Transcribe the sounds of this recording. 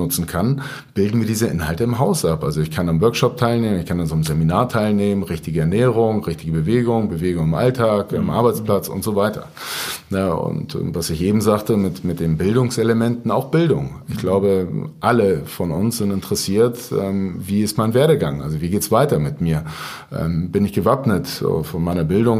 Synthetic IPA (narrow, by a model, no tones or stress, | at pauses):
nʊt͡sn̩kʰan | b̥ɪldn̩viːɐdiːzəʔɪ̰nɦaltəɪmɦaʊsʔapʔalzoɪçkʰananvœɐkʃɔp̚tʰaɪlneːmənɪçkʰananzomzeminaːɐtʰaɪlneːmənʁɪçtɪɡəɛɐnɛːʁʊŋʁɪçtɪɡəbəveːɡʊŋbəveːɡʊŋɪmʔa̰ltʰaːkɪmʔa̰ɐbaɪt͡spʰlat͡sʊ̰ntz̥ovaɪtɐ̰ | nəʊ̰ntːvasɪçʔeːbm̩zaːχtəmɪtmɪt̚d̥eːnbɪldʊŋseləmɛntn̩aʊxb̥ɪldʊ̰ŋʔɪçɡ̥laʊbəʔaləfɔnʊ̰nsz̥ɪntɪntəʁ̥əsiːɐtʔɛːmviːɪstmaɪnveːɐɾəɡaŋʔa̰lzoviːɡeːtsv̥aɪtɐmɪtmiːɐ | ʔɛ̰ːmbɪnɪçɡ̥əvapnətːfɔnmaɪnɐbɪldʊŋ